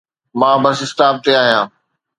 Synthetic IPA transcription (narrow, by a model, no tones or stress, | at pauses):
mãːbɐsɪsʈaːb̚t̪eaːɦijãː